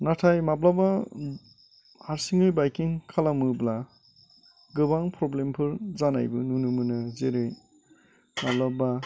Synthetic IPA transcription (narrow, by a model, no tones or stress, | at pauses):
natʰajmablaba | haɾsiŋɯjbajkiŋkʰalamɯbla | ɡɯbaŋpɾɔblempʰɯɾzana̰jbɯnunɯmɯnɯzeɾɯj | mablaba